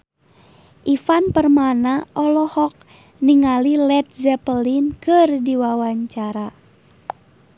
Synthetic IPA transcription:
ʔifanpərmanaʔɔlɔhɔk̚ | niŋalilɛt̪̚zɛpəlinkɨrdiwawaɲt͡ʃaɾa

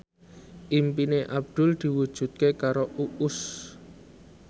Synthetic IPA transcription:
ʔimpineʔab̚d̪̥ʊ̤ld̪̥i̤wud̥ʒ̥ṳt̪̚kekaɾoʔuʔʊs

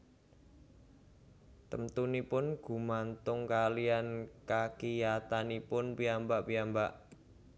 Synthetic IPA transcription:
t̪əmt̪unipʊnɡ̥ṳmant̪ʊŋkalijankakijat̪anipʊnpiambaʔpiambaʔ

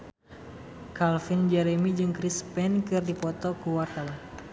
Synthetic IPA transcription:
kalfind͡ʒɛɾemid͡ʒɨŋkɾispɛnkɨrdipɔt̪ɔkuwart̪awan

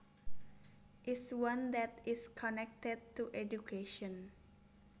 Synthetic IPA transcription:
ʔɪswãnd̪ɛt̪ɪskʰɔnɛk̚tɛd̚t̪uʔedukʰeʃɔ̃n

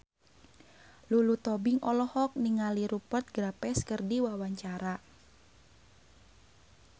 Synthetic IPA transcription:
lulut̪ɔbiŋʔɔlɔhɔk̚niŋaliɾupət̪̚ɡɾapɛskərdiwawaɲt͡ʃaɾa

